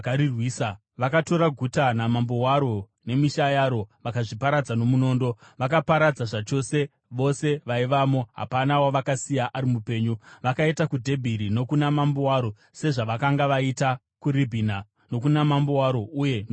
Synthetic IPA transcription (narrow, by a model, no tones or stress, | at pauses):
aɾirwiːsa | ʋakato̞ɾaɡʱutanamambowaɾo̞ | ne̞miʃajaɾo̞ʋakaʐipaɾad͡zano̞muno̞ːndo̞ʋakapaɾad͡zaʐat͡ʃo̞se̞ | ʋo̞se̞ʋaiʋamo̞ɦa̰panawaʋakasijaʔaɾimupe̞ːɲuʋakaitakudʱe̞bʱiɾino̞kunamambowaːɾo̞ | se̞ʐaʋakaŋɡaʋaita | kuribʱina | no̞kunamambowaɾo̞ʔuje̞n